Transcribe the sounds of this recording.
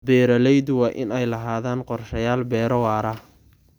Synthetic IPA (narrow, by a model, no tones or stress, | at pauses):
bɛːɾɐlɛjd̪wɑːʔɪnɛjlɐɦaːðaːnqɔrʃɐjaːlbɛːɾɐwɑːɾɐ